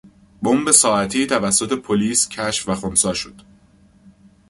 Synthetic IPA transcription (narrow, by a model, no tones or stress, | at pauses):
bombe̞sɒːæt̪ʰiːt̪ʰævæsːo̞t̪ʰe̞pʰo̞liːscʰæʃfvæxonsɒːʃod̪̥